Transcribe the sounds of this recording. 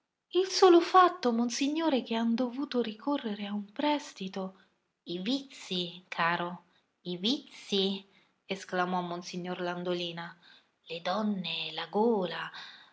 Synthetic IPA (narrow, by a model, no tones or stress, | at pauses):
ilsoːlofat̪ːomonsiɲːoːɾek̟eand̪ovuːt̪oɾikʰorːeɾeaumpɾɛst̪it̪o | ivit̪sːikʰaːɾo | ivit̪sːi | esklamɔmːonsiɲːorland̪oliːna | led̪ɔnːelaɡoːla